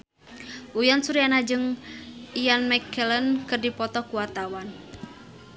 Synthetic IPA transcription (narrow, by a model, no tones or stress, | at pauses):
ʔujansuɾianad͡ʒɨŋ | ijanmɛkʰɛlənkɨrdipɔt̪ɔkuwat̪awan